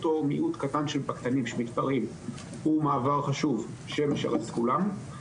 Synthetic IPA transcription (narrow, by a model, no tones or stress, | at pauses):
t̪omiʔut̪kat̪anʃelbakt̪animʃemit̪paʁim | humaːvaʁχaʃuv | ʃemeʃḛʁaskulam